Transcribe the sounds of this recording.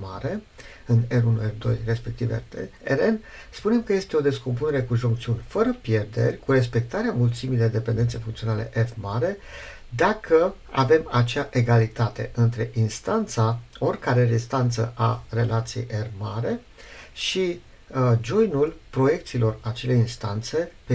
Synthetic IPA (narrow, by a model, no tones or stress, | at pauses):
ma̰ɾe̞ | ɨneɾunuerd̪o̞̰jre̞spe̞k̚t̪ivḛeɾenspune̞mkəje̞st̪e̞o̞d̪e̞skomp̬une̞ɾe̞kuʒuŋk̚t̪siunʲfəɾəpje̞rd̪e̞̰rʲkuɾe̞s̬pe̞k̚t̪aɾeamult̪similed̪e̞pend̪et̪se̞jfuŋkt̪sio̞nale̞̰ʔefmaɾe̞ | d̪akʰə | a̰ve̞mat͡ʃaʔe̞ɡalit̪at̪e̞̰ʔɨnt̪ɾe̞ʔinst̪ant̪sao̞rʲkaɾeɾist̪ant̪sə̰ʔare̞lʔat̪sije̞̰jʔermaɾe̞ | ʃi | d͡ʒo̞jnulpɾo̞je̞k̚t̪silo̞rat͡ʃe̞le̞inst̪ant̪se̞pe